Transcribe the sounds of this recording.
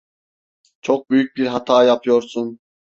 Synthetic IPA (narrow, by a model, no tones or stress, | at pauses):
t͡ʃʰoq̚byjyk̚ʲbiɾɦɑt̪ʰɑːjɑpʰɯjoɾsun